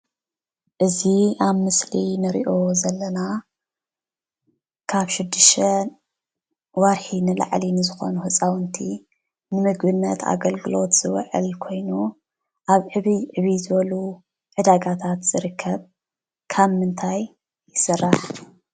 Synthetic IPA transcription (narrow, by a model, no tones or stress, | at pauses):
ʔɨziaβmɨslinɨɾḭʔo̞zɐlːɐna | kʰaβʃɪd̪ːɨʃt̪ʰɐ | wɐɾħinɨla̰ʕlinɨzɨxo̞̰nuhɨt͡sʼawɨnt̪ʰi | nɨmɨɡbɨnːɐt̪ʰa̰ɡɐlɡɨlo̞t̪z̥ɨwɐ̰ʕɨ̰lkʰo̞jnu | ʔaβʕɨβiʕɨβizɨβɐlu | ʕɨd̪aɡat̪ʰat̪z̥ɨɾɨkʰːɐβ | kʰaβmɨnt̪ʰaj | jːɪsɨrːaħ